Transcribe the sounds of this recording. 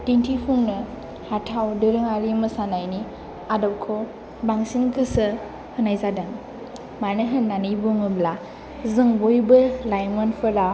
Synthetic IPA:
tintʰipʰuŋnɯ | hatʰawdɯɾɯŋaɾimɯsanajni | adɔw̚kʰɔ | baŋsiŋkʰɯsɯ | hɯnajzadaŋ | manɯɦɯnnːanibuŋɯbla | zɯŋbojbɯlajmɯnpʰɯɾa

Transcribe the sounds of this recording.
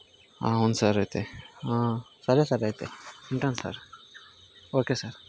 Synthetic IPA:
a̰ːond̪sɐɾajt̪easɐɾesɐɾajt̪eeɳʈɐnsɐ̰ɾ | oːkesɐɾ

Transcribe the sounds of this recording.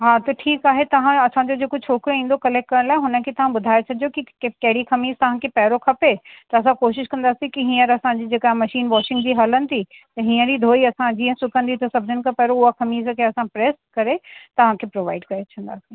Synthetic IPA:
ɦaːt̪ɐʈʰiːkaːɦet̪ɐʋ̤ãɐsãd͡ʑod͡ʑeːkʊt͡ʃʰoːkɾoĩːn̆d̪okɐlɛːk̚kɐɾəñlaːɪɦʊnə̆kʰet̪ɐʋ̤ãɓʊd̪ʱaːjesʰɐd͡ʑijokikɐɦɪɽikʰɐmiːzt̪ɐʋ̤ãkʰepɛːɾokʰɐpet̪ɐːs̬ãkoːʃɪʃkɐ̃nd̪aːsĩkiɦĩːə̃ɾɐsãd͡ʑid͡ʑeːkaːɦemɐʃiːnʋɔːʃɪ̃ŋɡd͡ʑiːɦɐlənɪ̆t̪ʰi | t̪ɐɦĩːə̃d͡ʑid̪ʱoːiɐsãd͡ʑiːə̃sʊkə̃nd̪it̪ɐsɐbʱd͡ʑʱənɪ̆kʰãpɛːɾoʊɦakɐmiːzkʰeɐsãpɾeːskɐɾet̪ɐʋ̤ãkʰepɾoːʋaːɪɖkɐɾet͡ɕʰɐ̃nd̪a̰ːsĩ

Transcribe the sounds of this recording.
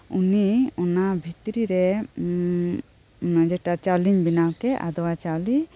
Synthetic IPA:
uniɔnabʱit̪ɾiɾɛ | d͡ʒɛʈat͡ʃaliɲbinawkɛʔa̰d̪ɔwat͡ʃawli

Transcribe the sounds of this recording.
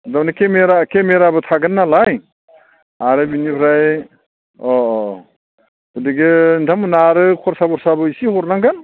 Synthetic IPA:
dawnikemeɾakemeɾabɯtʰaɡɯnːalaj | aɾɯbinibʰɾaj | ɔɔ | udiɡendʰamɯnaɾɯkʰɔɾsabɔɾsabɯisihɔɾnaŋɡɯn

